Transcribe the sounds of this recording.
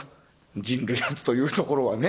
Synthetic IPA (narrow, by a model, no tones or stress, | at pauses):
d͡ʑĩnɾɯ̟jat͡sɨ̥t̪o̞jɯ̟ːt̪o̞ko̞ɾo̞βane̞